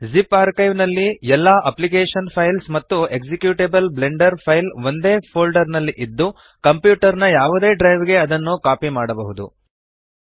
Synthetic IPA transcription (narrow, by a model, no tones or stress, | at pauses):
zipaːɾkɐjʋnɐlːiɛlːaːʔɐplikeːʂɐnpʰɐjlsmɐt̪ːue̞ɡsekjuːʈebɐlble̞ɳɖɐɾpʰɐjlʋo̞nd̪e̞ːpʰoːlɖɐɾnɐlːiʔid̪ːu | kɐmpjuːʈɐɾnɐjaːʋud̪e̞ːɖɾɐjʋɡe̞ɐd̪ɐnːukaːpimaːɽɐbɐɦud̪ṵ